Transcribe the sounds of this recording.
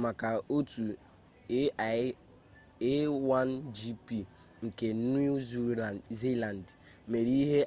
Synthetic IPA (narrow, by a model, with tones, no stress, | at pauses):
ma˨ka˨o˦tu˨˦˨ | e˦wa˦n˦d͡ʒi˦pi˨ | ŋ̩˨ke˨ni˦ze˦la˨n˨d | me˨ɾi˦ɦe˦